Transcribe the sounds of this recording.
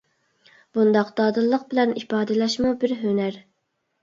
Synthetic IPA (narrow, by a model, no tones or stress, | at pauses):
b̥und̪ɑqd̪̥ɑːd̪ɨlˠːəq̚bɪlɛnipɑːd̪ɨlɛʃmubɪɾɦønæɾ